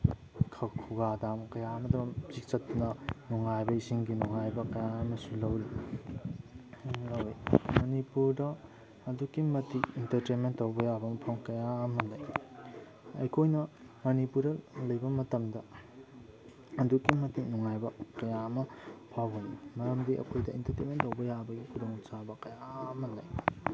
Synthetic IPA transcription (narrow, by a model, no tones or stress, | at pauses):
kʰɐkʰuɡadamkɐjamɐdɐmzik̚t͡ʃɐtːunɐnuŋajbɐisiŋɡinuŋajbɐkɐjaɐmɐsulɐwli | lɐwimɐnipuɾdɐː | dukːimɐtikintɐɾtenmentːɐwbɐjabɐmɐpʰɐmkɐjaɐmɐlɐj | ɐ̰jkʰojnɐ | mɐnipuɾɐlɐjbɐmɐtɐmdɐ | ɐdukːimɐtinɔŋajbɐkɐjamɐpʰawbɐmmɐɾɐmdiʔɐ̰kʰojdɐḭntɐɾtenmentːɐwbɐjabɐɡikudoŋt͡ʃabɐkɐjamɐndaj